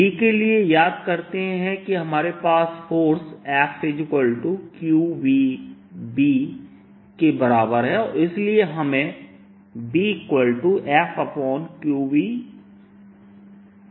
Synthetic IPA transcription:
ikeliejaːd̪kɐɾt̪eɦɛ̃kiɦɐmaːɾepaːsfʰoːɾsɛːpsed͡ʒɪkəlʈukjuːʋi | biː | kebɐɾaːbəɾɦɛɔːɾɪslieɦɐmẽ | bikwəlʈuʔɛːpʰɐpɔːnkjuːwiː

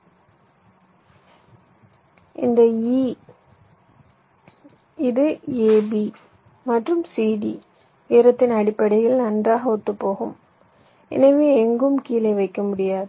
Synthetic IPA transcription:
ɪ̰nd̪ɐi | ɪðɯeːbi | mɐʈrɯmsiːɽi | ʋeːɾɐt̪ːɪnɐɽɪpːɐɽɐjɐlnɐndraːɣɐʊt̪ːɯpːoːɣɯm | ɛ̰nɐʋeːɛŋɡɯmkiːlɐɪʋɐɪkːɐmʊɽɪjaːðɯ

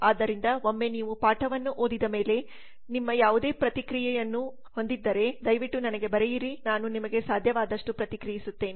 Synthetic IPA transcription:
aːd̪ːɐɾind̪ɐɦomːe̞niːʋupaːʈɐʋɐnːuʔo̞ːd̪id̪ɐme̞ːle̞ | nimːɐjaːʋud̪e̞ːpɾɐt̪ikɾijɛjɐnːu | ho̞nd̪id̪ːɐɾe̞d̪ɐjʋiʈːunɐnɐɡe̞bɐɾejiɾinaːnunimɐɡe̞saːd̪ʱjɐʋaːd̪ɐʂʈupɾɐt̪ikɾijisut̪ːe̞ːni

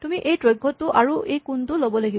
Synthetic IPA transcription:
tumiʔejtɹojɡʱːɔtːʊʔaɹuʔejkuntʊlobɔlaɡi

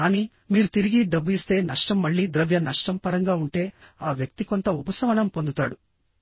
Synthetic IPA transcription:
aːniː | miːɾut̪iɾiɡiɖɐbːuist̪e̞ːnɐʂʈɐmːɐɭːiːd̪ɾɐʋjɐnɐʂʈɐmpɐɾɐŋɡaːuɳʈe̞ːaːʋjɐk̚t̪iko̞nt̪ɐubɐsɐʋɐnɐmpo̞nd̪ut̪aːɽu

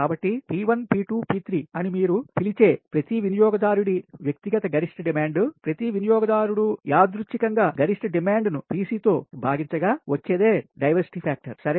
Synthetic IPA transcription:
kaːbɐʈːipiːʋɐnpiːʈuːpiːt̪ɾiːɐnimiːɾupilit͡ʃe̞ːpɾɐt̪iʋinijɔːɡɐd̪aːɾuɽiʋjɐk̚t̪iɡɐt̪ɐɡɐɾiʂʈɐɖimaːɳɖupɾɐt̪iʋinijɔːɡɐd̪aːɾuɽujaːd̪ɾut͡ʃːikɐŋɡaːɡɐɾiʂʈɐɖimaːɳɖnupiːsiːt̪o̞ːbʱaːɡiɲt͡ʃɐɡaːʋɐt͡ʃːeːd̪e̞ːɖɐjʋɐɾsi̥ʈipʰaːk̚ʈɐɾsɐɾe

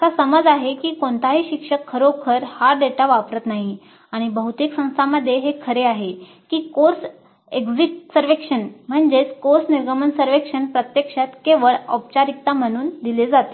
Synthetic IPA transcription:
kasəməd͡zaɦekiːkoɳt̪aɦiːɕikʂəkʰːəɾokʰəɾhaɖeʈaʋapɾət̪naɦi | aɽ̃ibəɦut̪eksə̃w̃st̪ʰaməd̪ʱːjeɦekʰəɾeaɦe | kiːkoɾs | eɡd͡zikʈsəɾʋekʂənm̤əɳd͡ʑet͡skoɾsniɾɡəmənsəɾʋekʂənpɾət̪jekʂat̪keʋəɭɔ̰p̚t͡ɕaɾik̚t̪am̤əɽ̃uːnd̪iled͡zat̪e

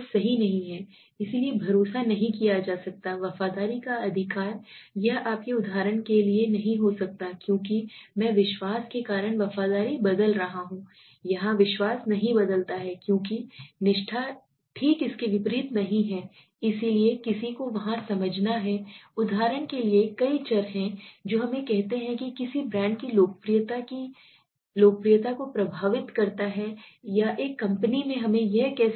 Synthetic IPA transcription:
sɐɦinɐɦĩɦɛː | ɪsiliebʱɐɾoːsanɐɦĩkijad͡ʒaːsɐk̚t̪aʋɐfaːd̪aːɾikaɐd̪ʱɪkaːɾjɐɦaːp̚kiʊd̪ʱaːɾəɽ̃kelienɐɦĩɦosɐk̚t̪akjõːk̬imɛ̃ːʋɪʃwaːskekaːɾəɽ̃ʋɐfaːd̪aːɾibɐd̪əlɾɐɦaɦũː | jɐɦãʋɪʃwaːsnɐɦĩbɐd̪əlt̪aɦɛkjõːkinɪʃʈʰa | ʈʰiːkɪskiʋɪpɾiːt̪nɐɦĩɦɛː | ɪsiliekɪsikoʋɐɦãsɐməd͡ʒʱnaɦɛːʊd̪ʱaːɾəɽ̃keliekɐit͡ʃɐɾɦɛ̃d͡ʒoːɦɐmẽkɛɦt̪eɦɛ̃kikɪsibɾɛ̃ːɳɖkiloːkpɾijt̪ai | loːk̚pɾijət̪akopɾɐbʱaːʋɪt̪kɐɾt̪aɦɛjaʔeːkːɐ̃mpənimẽɦɐmẽjɛɦkɛː

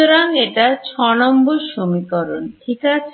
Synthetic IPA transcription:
oɾaŋeʈat͡ɕʰɔnɔmboɾʃomikɔɾonʈʰikat͡ɕʰ

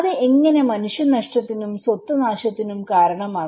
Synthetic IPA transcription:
ðɨʔeŋːɐne̞mɐnuʂjɐnɐʂʈɐt̪ːinumswɐt̪ːɐnaːɕɐt̪ːinumkaːɾɐɳɐmaː

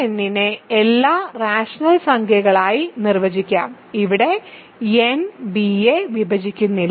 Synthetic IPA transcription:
enːineelːaːraːʂɐnɐlsɐŋkʰjɐɣɐɭaːjinirʋɐd͡ʑikʲːa̰ːm | iʋiɽe̞ | enbieʋibʱɐd͡ʑikʲːunːil

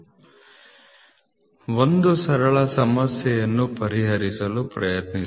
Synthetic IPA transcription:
ʋond̪usɐɾɐɭɐsɐmɐsjɛjɐnːupɐɾiɦɐɾisɐlupɾɐjɐt̪ni

